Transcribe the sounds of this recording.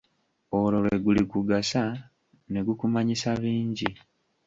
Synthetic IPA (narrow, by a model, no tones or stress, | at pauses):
olo̞lweɡulikuɡasa | ne̞ɡukumaɲisaβiːɲɟi